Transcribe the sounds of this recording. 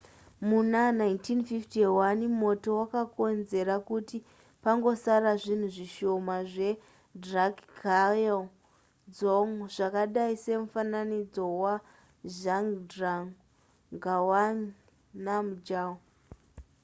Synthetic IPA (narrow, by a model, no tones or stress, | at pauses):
munanaintinfiftiwanmo̞to̞wakako̞nze̞ɾakuti | paŋɡo̞saraʐin̤uʐiʃo̞maʐe̞ | drakael | d͡zoŋʐ̥akaɗaise̞mufananid͡zo̞wa | ʒaŋɡdraŋ | ŋɡawan | namud͡ʒaw